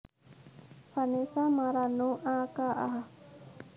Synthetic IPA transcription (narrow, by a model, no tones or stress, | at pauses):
fanesamaɾanũʔaːkaʔa̰ɦa